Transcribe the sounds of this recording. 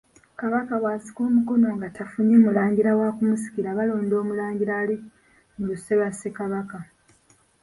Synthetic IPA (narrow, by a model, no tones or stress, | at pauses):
kaβakaβwaːsi̥ko̞ːmuko̞no̞ŋɡatʰafuɲemulaːɲɟiɾawakumusi̥kiɾaβalo̞ːndo̞ːmulaːɲɟiɾali | muluse̞βasekaβaka